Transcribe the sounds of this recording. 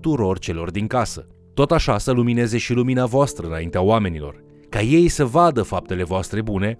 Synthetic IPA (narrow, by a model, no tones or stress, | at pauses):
t̪uɾo̞rt͡ʃe̞lo̞rd̪iŋkasə̰ | t̪o̞t̪aʃasəlumine̞ze̞ʃiluminavoast̪ɾəɨnaint̪eaoame̞nilo̞̰r | kaje̞jsəvad̪əfap̚t̪e̞le̞voast̪ɾe̞bune̞